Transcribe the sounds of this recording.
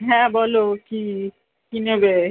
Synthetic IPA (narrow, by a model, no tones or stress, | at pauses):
ɦɛ̃bɔloki | kinebe